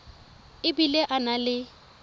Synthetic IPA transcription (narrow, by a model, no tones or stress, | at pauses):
ɪbileʔanalɪ